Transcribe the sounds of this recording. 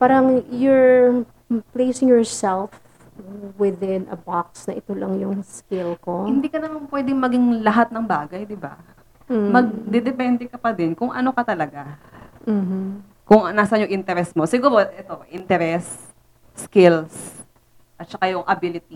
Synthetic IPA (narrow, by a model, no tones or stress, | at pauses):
paːɾɐŋjʊɹ | plejsɪŋjɔɹsɛlf | wɪðɪnɐ̰bak̚snɐʔɪt̪olɐŋjʊŋskɪlkohɪnd̪iːkɐnɐmanpwɛd̪ɪŋmɐɡɪŋlɐɦat̪̚nɐŋbaːɡɐjd̪ɪba̰ | mɐɡ̚d̪ɛd̪ɛpɛnd̪ɛkɐpɐd̪ɪnkʊŋʔɐno̞kɐt̪ɐlɐɡa | m̩ | kʊŋnaːsɐɲoʔint̪ɛɾɛsmo̞sɪɡuːɾoʔɛt̪o̞ʔɪnt̪ɛɾɛsː | kɪls | ʔɐt̪̚t͡ʃɐkajʊŋʔɐbilɪt̪i